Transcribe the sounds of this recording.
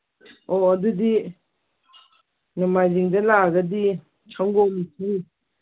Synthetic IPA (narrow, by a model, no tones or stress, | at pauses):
ɔːdudi | numajziŋdɐlaɡɐdi | t͡ʃʰaŋɡɔwmitʰiɾi